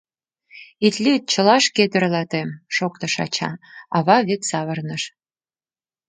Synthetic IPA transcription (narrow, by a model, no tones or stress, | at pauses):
it̪lʲit̪̚t͡ɕə̆lɑʃked̪ɘ̆rlɑt̪emʃokt̪ɤ̆ʃɑ̰t͡ɕɑ̰ɑβɑβet̪sɑβɤ̆rnəʃ